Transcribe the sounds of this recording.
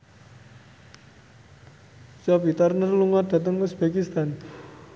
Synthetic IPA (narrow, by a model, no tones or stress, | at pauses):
t͡ʃɔpit̪arnərluŋɔd̪̥a̤t̪əŋwusb̥akist̪an